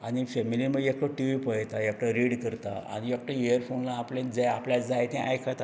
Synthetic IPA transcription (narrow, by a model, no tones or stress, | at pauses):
aɽ̃ifemiliməekʈoʈiʋipəjt̪aek̚ʈaɾiɽkəɾt̪a̰a̰ñiek̚ʈəeəɾfonlaːplẽd͡zeaplat͡sd͡zajet̪ɛ̃ʔa̰jkʰat̪a